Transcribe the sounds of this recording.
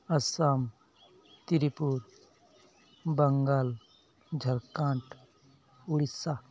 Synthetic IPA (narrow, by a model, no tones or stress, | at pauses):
ɐsam | t̪iɾipuɾ | bəŋɡal | d͡ʒʱɐɾkãːɳʈ | uɽisa